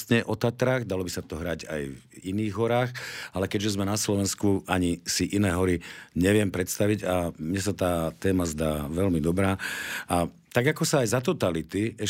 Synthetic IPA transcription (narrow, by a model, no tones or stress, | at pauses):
sɲɛʔɔt̪at̪ɾaːɣd̪alɔbisat̪ɔɦɾaɟa̰jviniːɣɦɔɾaːxalɛkɛʒɛzmɛnaslɔʋɛnskuʔaɲisiʔinɛːɦɔɾiɲɛʋɪɛmpɾɛt̪st̪aʋiɟamɲɛsat̪aːt̪ɛːmazd̪aːʋɛlmid̪ɔbɾaːa | t̪aɡakɔsaːjzat̪ɔt̪alit̪iɛ